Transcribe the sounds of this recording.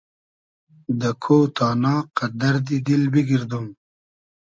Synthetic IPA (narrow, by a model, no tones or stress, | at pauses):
d̪əkʰoːt̪ʰɑːnɑːqad̪ɐɾd̪id̪ilbiɡiɾd̪um